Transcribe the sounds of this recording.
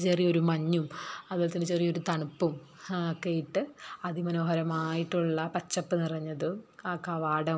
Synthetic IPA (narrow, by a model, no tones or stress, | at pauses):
t͡ɕerijo̞ɾumɐɲːumɐðolt̪inːɨt͡ɕeːrijo̞ɾut̪ɐɳupːum | okːejiʈːɨɐðimɐno̞ːɦɐɾɐmaːjiʈːuɭːɐpɐt͡ɕːɐpːɨnirɐɲːɐðɨkɐʋaːɽɐ